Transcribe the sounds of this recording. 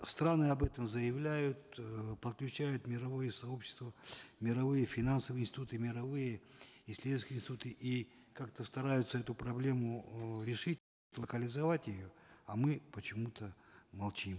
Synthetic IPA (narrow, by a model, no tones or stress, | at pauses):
st̪ɾanɨɐbɛt̪əmzəjɪvlʲæjʊt̪̚pət̪klʲʉt͡ɕæjʊt̪mʲɪɾɐvo̞jəsɐo̞pɕːɪ̥st̪vəmʲɪɾɐvɨjəfʲɪnansəvɨjɪnsʲtʲɪt̪ut̪ɨmʲɪɾɐvɨjəɪsʲlʲesʲkʲɪinsʲɪt̪ut̪ɨʔi | kakt̪əst̪ɐɾajʊt̪səɛt̪ʊpɾɐblʲe̞mʊɾʲɪʂɨt̚ʲ | lˠəkəlʲɪzɐvatʲjɪjoɐmɨpət͡ɕɪmut̪əmɐlˠt͡ɕim